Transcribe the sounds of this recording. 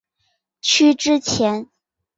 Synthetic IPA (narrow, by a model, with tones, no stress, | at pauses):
t͡ɕʰy˥ʈ͡ʂɻ̩˥t͡ɕʰjɛ˧˥n